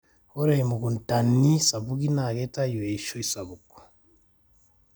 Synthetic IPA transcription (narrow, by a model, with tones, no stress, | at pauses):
ho˦ɾee˨mu˨ɡu˨nta˨ni˦sa˨βu˦ɡi˦na˨ɡe˦ta˦ju˨we˨i˨ʃo˦isa˨βu˨ko̥˨